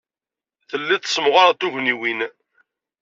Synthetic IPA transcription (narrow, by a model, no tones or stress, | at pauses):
θəlːiθə̥səmʁaɾat̪uʝniwin